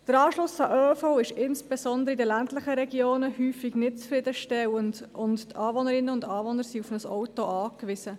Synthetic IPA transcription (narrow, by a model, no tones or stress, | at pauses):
d̥əɾɑːʃlʊsɑʔøːfoʊɪʃɪnsb̥esɔnd̪əɾəidəlæntləχəɾɛɡjoːnəhyːfɪɡnɪt̚t͡sfɾɪd̪əʃtɛwəndʊnttɑːvɔnəɾɪnːəʊndɑːvɔnːəɾsiufnəsɔwtoʔɑːkʋɪsə